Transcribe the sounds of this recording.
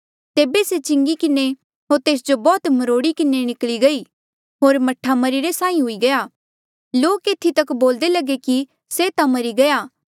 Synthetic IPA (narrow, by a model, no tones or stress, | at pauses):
t̪eːbeset͡ʃɪ̃ŋɡikɪne | ɦoːɾt̪eːs̬d͡ʒobɔːt̪məɾoːɽikɪnenɪkliɡɐi | ɦoːɾmɐʈʰːamɐɾiɾesãːĩɦʊiɡɐjaː | loːkeːt̪ʰːit̪ɐkboːld̪elɐɡeki | set̪ãmɐɾiɡɐjaː